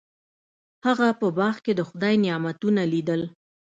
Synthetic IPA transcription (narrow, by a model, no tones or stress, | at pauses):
haɣapəbɑxked̪əxʊd̪ɑjnɪɑmat̪unalid̪əl